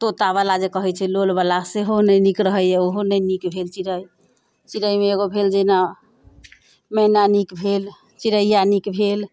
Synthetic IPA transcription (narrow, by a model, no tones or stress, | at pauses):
t̪ot̪aβalad͡ʒekəɦɛt͡ʃʰɛlolbalaseɦonənikɾəɦəjɛoɦonənikbʱelt͡ʃiɾəj | t͡ʃiɾəjmeːɡobʱeld͡ʒena | mɛnanikbʱel | t͡ʃiɾəjjanikbʱel